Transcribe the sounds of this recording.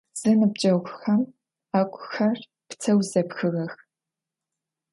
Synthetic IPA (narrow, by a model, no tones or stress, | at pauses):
z̥ɨnɨb̚t͡ʃʼɐwxʷxɐm | aːkʷʼxɐr | pt͡sʰɐwzɐpxɨɣɐx